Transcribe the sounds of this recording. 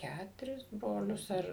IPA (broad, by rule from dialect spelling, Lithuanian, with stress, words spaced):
ˈkʲætʊrʲɪs ˈbroːlʲʊs ɐr